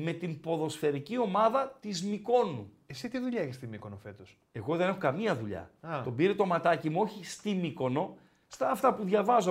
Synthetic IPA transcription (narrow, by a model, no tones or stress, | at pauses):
me̞t̪impo̞ðo̞sfe̞ɾicio̞mɐðɐt̪izmiko̞nu | esit̪iðuʎɐeçist̪imikonofe̞t̪os | e̞ɣo̞ðe̞ne̞xo̞kɐmiɐðuʎɐ̰t̪o̞biɾe̞t̪omɐt̪ɐcimuo̞çist̪imiko̞no̞ | st̪ɐːft̪ɐpuðʝɐvɐzo